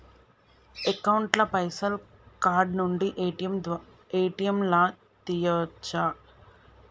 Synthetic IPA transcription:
ekɐwɳʈlɐpɐjsɐl | kaːɾɖnuɳɖiʔɐm | ejʈijɐmla | t̪ijɐt͡ʃːɐ

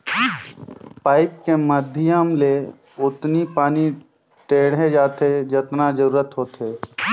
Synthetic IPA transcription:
paːɪp̚keməd̪ʱjamle | ʊt̪nipaːni | ʈeːɽẽd͡ʒaːt̪ed͡ʒɪt̪nad͡ʒəɾuːɾət̪ɦoːt̪eː

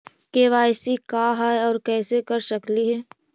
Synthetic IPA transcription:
keʋaːsikaːɦaɔːɾkɛːsekɐɾʃɐkliɦɛː

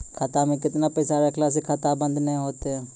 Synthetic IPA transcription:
kʰat̪amẽkɪt̪napɛːsaːɾakʰlaːs̬ikʰaːt̪abə̃nd̪nɛĩɦoːt̪eɛ

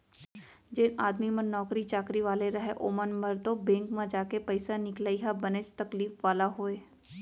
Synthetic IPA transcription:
d͡ʒɪnaːd̪mimə̃nɔːkɾit͡ʃaːkɾiʋaːleɾɐɦeʔoːmənməɾd̪obẽːŋkmãd͡ʒaːkepɐɪsanɪklaːiɦabɐnest̪ɐkliːfʋaːlaɦoːeː

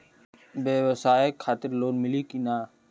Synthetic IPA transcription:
beːʋəsaːekʰaːt̪ɪɾloːnmɪlikinaː

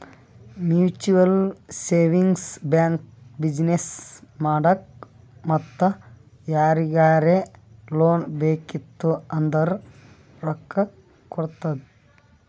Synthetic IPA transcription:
mjuːt͡ʃuʋɐlseːʋiŋɡsbjaːŋkbid͡ʒnesmaːɽɐk | mɐt̪ːɐ | jaːɾiɡaːɾeloːnbeːkit̪ːuɐnd̪ɐɾ | ɾɔkːɐ | kːɔɽt̪ɐd̪i

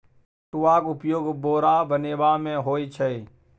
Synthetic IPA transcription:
ʈʊːaːkʊpjoːɡboːɾaːbəneːʋaːmẽːɦoːit͡ʃʰəi

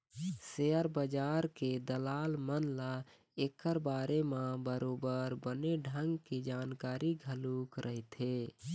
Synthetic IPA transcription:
seəɾbəd͡ʒaɾked̪əlalmənla | ekːəɾbaɾemãbəɾobəɾbəneɖʱəŋɡked͡ʒankaɾiɡʱəlukɾʔəɦit̪ʰe

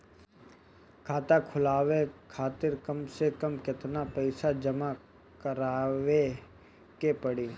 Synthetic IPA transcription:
kʰaːt̪akʰʊlaːʋekʰaːt̪ɪɾkəmsekəmkɪt̪napəɪsad͡ʒəma | kəɾaːʋe | kepəɽiː

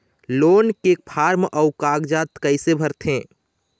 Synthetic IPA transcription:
loːnkek̚pʰaɾmʔəʊkaɡd͡ʒat̪kəɪsebʱəɾt̪ʰẽ

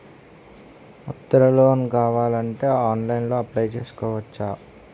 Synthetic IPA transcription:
ut̪ːɐɾɐloːnkaːʋaːlɐɳʈe̞ːaːnlɐjnlo̞ːɐplɐjt͡ʃeːsu̥kɔːʋɐt͡ʃːaː

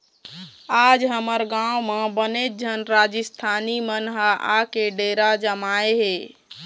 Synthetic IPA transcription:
ad͡ʒɦəməɾɡãmebənet̪̚d͡ʒʱənɾad͡ʒəst̪ʰanimənɦəʔakeɖeɾad͡ʒəmaeɦe

